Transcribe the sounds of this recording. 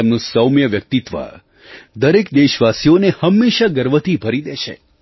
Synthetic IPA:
emnũsəwmjəʋjək̚t̪it̪ʋə̰ | d̪əɾekd̪eʃʋasijonehəmːeʃaɡəɾʋət̪ʰibʱəɾid̪eʃḛ

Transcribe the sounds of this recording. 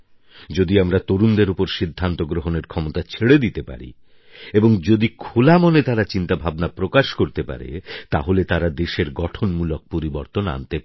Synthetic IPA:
d͡ʑod̪iamɾat̪oɾund̪eɾopoɾʃid̪ʱːant̪oɡɾoɦoneɾkʰɔmot̪at͡ɕʰeɽed̪it̪epa̰ɾḭ | eboŋd͡ʑod̪ikʰolamonet̪aɾat͡ɕint̪abʱabnapɾokaʃkoɾt̪epa̰ɾḛt̪aɦolet̪aɾad̪eʃeɾɡɔʈʰonmulok̚poɾiboɾt̪ona̰nt̪e

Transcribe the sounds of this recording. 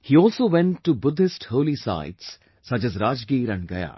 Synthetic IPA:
hiːɔːlsoːʋɛ̃nʈːubʊd̪ʱɪsʈhoːlisa̰ɪʈs | sɐt͡ʃɛzɾaːd͡ʒɡiːɾə̃nɡɐ̰ja̰ː

